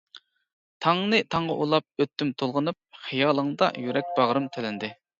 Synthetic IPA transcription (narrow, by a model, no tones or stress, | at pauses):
t̪ʰɑŋnɨt̪ʰɑɴʁɑ̰ʔulˠɑp̚øt̪ːymt̪ʰolˠʁənup̚χijɑːlˠəŋd̪ɑ̰jyɾɛk̚ʲbɑʁɾɨmt̪ʰelɪnd̪ɪ